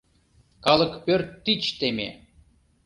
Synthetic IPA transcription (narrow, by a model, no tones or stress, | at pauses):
kɑlˠɤ̆kpʲørt̪ːit͡ɕt̪emʲḛ